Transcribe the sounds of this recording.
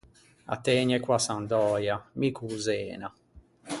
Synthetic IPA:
a̰t̪ːɛːɲɛkwasand̪ɔːjamikuzɛ̰ːna

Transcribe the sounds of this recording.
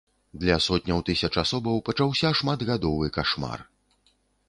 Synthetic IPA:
d̪lʲɐsɔt̪̚ʲnʲɐwt̪ɨsʲɐt͡ʂasɔbɐwpɐt͡ʂawsʲɐʂmad̪ɣad̪ɔvɨkaʂma̰r

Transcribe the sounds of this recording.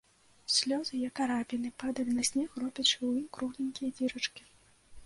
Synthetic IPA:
sʲlʲɔzɨjɛkaɾapʲinɨpad̪ɐlʲinɐsʲnʲɛxrɔpʲɐʂɨwimkɾuɣlʲinʲkʲijɐd͡zʲiɾɐt͡ʂkʲi̥

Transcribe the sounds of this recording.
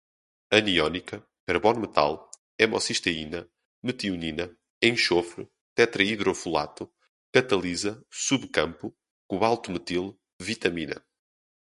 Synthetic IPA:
ɐniɔnikɐ | kɐɾβɔnmɨt̪a̰lˠ | ɛmɔ̰siʃt̪ɐinɐ | mɨt̪iuninɐ | ẽʃofɾɨ | t̪ɛt̪ɾɐiðɾofulˠa̰t̪u | kɐt̪ɐlˠizɐsuβkɐ̃mpu | kuβalˠt̪umɨt̪ilˠ | vit̪ɐminɐ̰

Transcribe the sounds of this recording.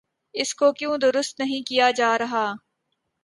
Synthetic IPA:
ɪskoːkjõːd̪ʊɾʊst̪nɐɦĩkijaːd͡ʒaːɾɐɦaː

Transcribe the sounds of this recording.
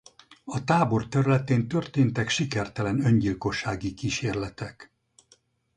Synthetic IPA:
ɒt̪aːbo̞rt̪ɛɾylɛt̪eːnt̪ø̞rt̪eːnt̪ɛkʃikɛrt̪ɛlɛnø̞ɲɟilko̞ʃːaːɡikiːʃeːrlɛt̪ɛk

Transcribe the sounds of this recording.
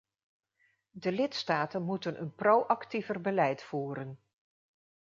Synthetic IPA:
dəlɪtstaːtənmutənʔə̰nprowʔɑktivərbəlɛjtfuːɾən

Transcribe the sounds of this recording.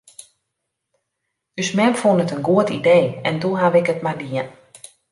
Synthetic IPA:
ysmɛmfunətənɡuətideːɛnduɦaʋɪkətmadiən

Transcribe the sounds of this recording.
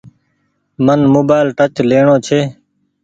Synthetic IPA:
mənmoːbaːɪlʈət͡ʃleːɳoːt͡ʃʰeː

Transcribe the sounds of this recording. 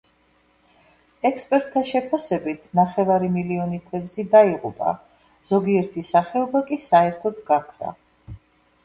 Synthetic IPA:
ɛkspʼɛɾt̪ʰːaʃɛpʰasɛbit̪ʰnaχɛvaɾimiliɔnikʰwɛd̪zid̪aiʁʼṵpʼa̰ | z̥ɔɡiɛɾt̪ʰisaχɛɔbakʼisaɛɾt̪ʰɔd̪ɡakʰɾa̰

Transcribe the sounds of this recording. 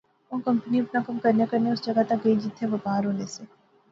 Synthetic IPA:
õːkɐ̃mpəniʊpnakɐmkɐɾnekɐɾneʊsd͡ʒɐɡat̪ɐk̚ɡɐid͡ʒɪt̪ʰːẽʋɐpaːɾɦoːneseː

